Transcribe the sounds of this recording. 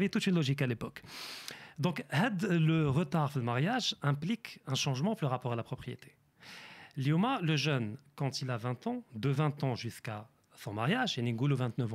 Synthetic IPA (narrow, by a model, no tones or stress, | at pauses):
vɛt̪ut̪ynlɔʒikalepɔk | d̪ɔ̃khɛd̪ləʁət̪aʁfləmaʁjaʒɛ̃plikɛ̃ʃɑ̃ʒmɑ̃pləʁapɔʁalapχɔpχijḛt̪ʰe̥ | liomaləʒœnkɑ̃t̪ilavɛ̃t̪ɑ̃d̪əvɛ̃t̪ɑ̃ʒyska | sɔ̃maʁjaʒeniɡulovɛ̃t̪nəvɑ̃